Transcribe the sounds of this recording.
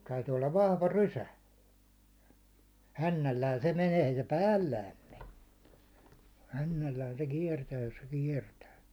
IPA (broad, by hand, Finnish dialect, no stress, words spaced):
tæytyː olːɑʋ ʋɑhʋɑ rysæ hænːælːæːn se meneː ei se pæːlːæːm me hænːælːæːn se kiɛrtæː jos se kiɛrtæː